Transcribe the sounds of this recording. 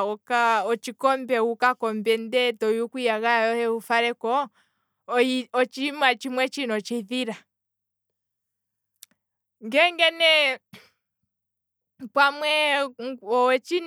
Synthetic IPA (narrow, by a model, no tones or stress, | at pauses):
ɔkaɔt͡ʃikɔmbɛukakɔmbɛndɛtɔjukujaɣajɔhɛufaɾɛkɔ | ɔt͡ʃimat͡ʃimwɛt͡ʃinɔt͡ʃɛðiɾa | ŋɡɛŋɡɛnɛ | pwamwɛ | ɔwɛt͡ʃin